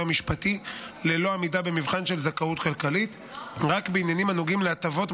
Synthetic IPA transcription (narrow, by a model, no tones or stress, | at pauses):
amiʃpatile̞lo̞amidabe̞mivχanʃe̞lzakautχelkalit̪ | ʁakbiinjanimanuɡimleat̪avo̞t